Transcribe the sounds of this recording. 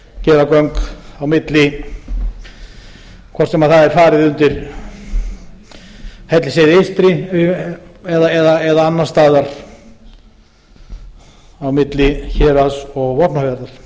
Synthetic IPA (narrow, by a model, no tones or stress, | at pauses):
cɛːɾakœŋkawmɪt̪lɪ | kʰvɔr̥t̪sɛmaðθaðɛɾ̥faːɾɪðʏnt̪ɪɾ | hɛjt̪lɪsɛːðɪest̪ɾɪ | ɛðaɛðaɛðaanːast̪aːðaɾ̥ | awmɪt̪lɪçɛːɾasɔɣvɔpnahvjaɾðaɾ̥